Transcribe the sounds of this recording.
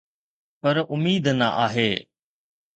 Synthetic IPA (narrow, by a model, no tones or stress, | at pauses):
pɐɾʊmiːd̪nɐ̰ʔaːɦeː